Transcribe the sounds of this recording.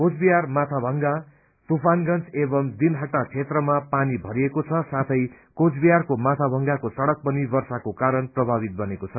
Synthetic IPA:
kod͡zbijarmat̪ʰabʱʌŋɡa | t̪upʰanɡʌnt͡sebʌmd̪inɦaʈːat͡sʰet̪rʌmapanibʱʌɾijekot͡sʰʌsat̪ʰʌj | kod͡zbijarkomat̪ʰabʱʌŋɡakosʌɽʌk̚pʌnibʌrsakokaɾʌnprʌbʱabit̪̚bʌnekot͡sʰʌ

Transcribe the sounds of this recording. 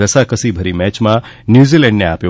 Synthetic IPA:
əsakəsibʱəɾimɛt͡ʃmã | njuzilɛɳɖneapjo

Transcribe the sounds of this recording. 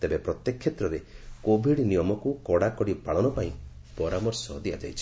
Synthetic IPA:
t̪ebepɾɔt̪jekʰːjet̪ɾɔɾekobʱiɽnijɔmɔkukɔɽakɔɽipaɭɔnɔpaĩ | pɔɾamɔɾsɔd̪ia̰d͡ʒa̰jt͡ʃʰi̥

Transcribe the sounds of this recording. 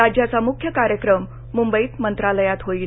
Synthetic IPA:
ad͡ʑjat͡samukʰjəkaɾjəkɾəmː | umbəiːt̪mənt̪ɾaləjat̪ɦoiː

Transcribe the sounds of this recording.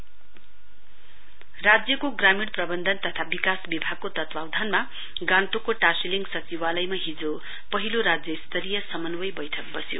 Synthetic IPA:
rad͡zjʌkoɡramiɽprʌbʌnd̪ʱʌnt̪ʌt̪ʰabikasbibʱaɡ̚kot̪ʌt̪wawd̪ʱanma | ɡãnt̪okoʈasiliŋɡsʌt͡siwalʌjmaɦid͡zo | pʌɦiloɾad͡zjʌist̪ʌɾijʌsʌmʌnwʌjbʌjʈʰʌk̚bʌsjo̰

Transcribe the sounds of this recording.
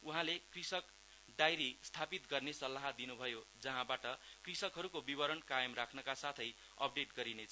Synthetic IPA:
uɦãlekrisʌk | d̪ajɾist̪ʰapit̪̚ɡʌrnesʌlːaɦʌd̪inubʱʌjod͡zʌɦãbaʈʌkrisʌkɦʌɾukobibʌɾʌnkajʌmrakʰnʌkasat̪ʰʌj | ʌ̰p̚ɖeʈɡʌɾinet͡sʰ

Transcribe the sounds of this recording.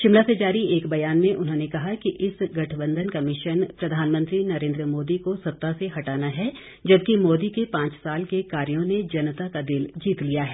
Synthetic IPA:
ʃɪmlased͡ʒaːɾieːkbɐjaːnmẽʔʊnɦõːnekɐɦakiʔɪsɡɐʈʰbə̃nd̪ʱənkɐmɪʃənpɾɐd̪ʱaːnmə̃nt̪ɾinɐɾẽːnd̪ɾəmoːd̪ikosɐtt̪ːaseɦɐʈaːnaɦɛ | d͡ʒɐb̚kimoːd̪ikepãːt͡ʃsaːlkekaːɾjõned͡ʒɐnət̪akad̪ɪld͡ʒiːt̪lijaɦɛː

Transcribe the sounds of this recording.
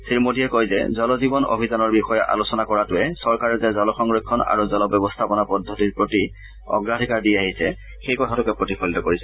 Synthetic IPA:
siɹmotijɛkojzɛ̰zɔlɔzibɔno̰bʱizanɔɹbixɔjɔʔa̰losɔnakɔɹatʊɛsɔɹkaɹɛzɛzɔlɔxɔŋɹekʰːɔna̰ɹuzɔlɔbjɔbɔstʰapɔnapɔdʱːɔtiɹpɹoti | ɔ̰ɡɹadʱikaɹdiaɦisɛ | xejkɔtʰatʊkɛpɹotipʰɔlitɔkoɹisɛ

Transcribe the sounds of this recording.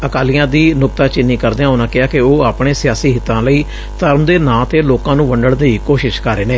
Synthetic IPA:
əkaːlɪjãːd̪iːnʊkt̪aːt͡ʃɪnːiːkəɾd̪eːãːʊnãːkɪaːkɪoːaːpɳeːsɪjaːsiːɦɪt̪ːãːləiː | t̪əɾmd̪eːnãːt̪eːloːkãːnũːʋəɳɖəɽnd̪iːkoːʃɪʃkəɾeːnẽː

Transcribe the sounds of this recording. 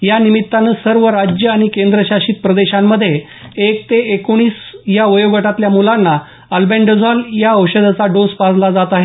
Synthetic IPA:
janimit̪ːanəsəɾʋəɾad͡ʑjəaɽ̃ikend̪ɾəɕaɕiːt̪̚pɾəd̪eɕamːəd̪ʱːje | ekt̪eekoɽ̃iːsjaʋəjoɡəʈat̪ljamulanːa | əlbeɳɖəd͡zɔljaəwɕəd̪ʱat͡saɖospad͡zlad͡zat̪aɦe

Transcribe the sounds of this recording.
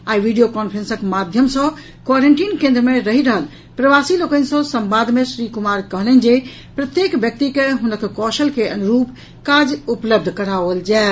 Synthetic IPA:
aiʋiɖijokɔnpʰɾẽnsəkmad̪ʱjəmsə̃ | kwaɾeɳʈinkẽnd̪ɾəmeɾəɦiɾəɦəl | pɾəʋasilokənsə̃səmbad̪ʱmesɾikumaɾkəɦəlɛn̆d͡ʒe | pɾət̪jekʋjək̚t̪ikeɦunəkkɔʃəlkeʔənuɾup | kad͡ʒupləb̚d̪ʱkəɾaʋəld͡ʒae

